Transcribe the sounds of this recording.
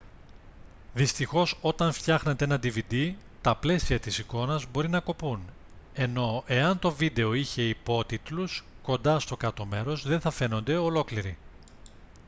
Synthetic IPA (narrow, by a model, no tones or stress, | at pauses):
ðist̪ixo̞so̞t̪ɐɱft̪çɐxnet̪eenɐd̪ivid̪i | t̪ɐple̞siɐt̪isiko̞nɐzbo̞ɾinɐko̞pun | e̞no̞e̞ɐnt̪o̞vid̪e̞o̞içe̞ipo̞t̪it̪lusko̞nd̪ɐst̪o̞kɐt̪o̞me̞ɾo̞zðeθɐfe̞no̞nd̪e̞o̞lo̞kliɾi